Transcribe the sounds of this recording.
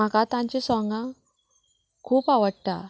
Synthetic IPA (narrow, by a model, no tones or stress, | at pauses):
akat̪aɲt͡ʃisɔŋɡa | kʰuːpawɐʈːa